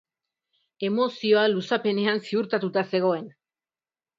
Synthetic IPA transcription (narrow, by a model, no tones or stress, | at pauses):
e̞mo̞sio̞alusape̞ne̞ansiuɾt̪at̪ut̪ase̞ɣ̞o̞e̞n